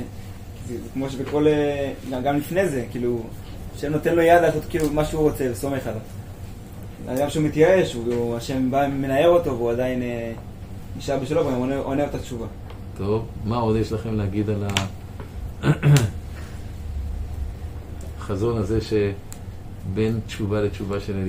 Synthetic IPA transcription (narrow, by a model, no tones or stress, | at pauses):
kikmo̞ʃ̬ebeko̞leɡaɡamlifne̞ze̞kiːlu | aʃemno̞t̪enlo̞jadlaːsot̪kiːlumaʃeuʁo̞t͡sevesome̞χalav | a̰ɡamʃeumit̪jae̞ʃuaʃe̞mbaːe̞nae̞ʁo̞t̪o̞veuad̪aine | niʃaʁbeʃalovaɡamoeʔoneot̪att͡ʃuva | t̪o̞vmao̞d̪jeʃlaχemleaɡid̪ala | χazo̞nazeʃe | bentt͡ʃuvalet͡ʃuvaʃene